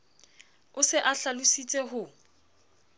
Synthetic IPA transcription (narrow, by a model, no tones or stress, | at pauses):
ʊsɪʔaɬalʊsit͡sʼɛɦʊ